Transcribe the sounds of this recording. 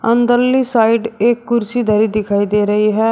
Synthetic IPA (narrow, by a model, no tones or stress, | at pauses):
ənd̪əɾliːsaːiɖeːkːʊɾsiːd̪aɾiːd̪ɪkʰaːiːd̪eːɾəɦiɦɛː